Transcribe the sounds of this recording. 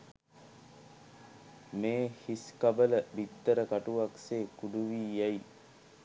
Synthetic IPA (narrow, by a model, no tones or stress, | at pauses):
meːhiskabələbit̪ːəɾəkaʈuʋakseːkuɖuʋiːjai